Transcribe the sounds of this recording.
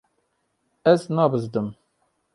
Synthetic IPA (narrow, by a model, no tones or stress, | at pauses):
æsnabəzd̪əm